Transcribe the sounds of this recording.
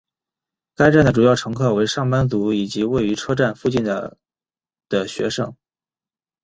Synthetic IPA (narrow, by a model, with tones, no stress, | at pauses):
ka˥ɪʈ͡ʂa˥˩nd̪ə˩ʈ͡ʂu˨˩jɑ˥˩ʊʈ͡ʂʰɤ˧˥ŋkʰɤ˥˩we˧˥ɪʂɑ˥˩ŋpa˥nt͡su˧˥i˨˩t͡ɕi˧˥we˥˩ɪy˧˥ʈ͡ʂʰɤ˥ʈ͡ʂa˥˧nfu˥˧t͡ɕi˥˩nd̪ə | d̪̥ə˩ɕɥɛ̰˧˥ʂɤ˥˩ŋ